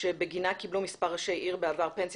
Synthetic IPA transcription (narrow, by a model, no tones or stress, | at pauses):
ebeɡinakiblumispaʁaʃejʔiʁbeavaʁpens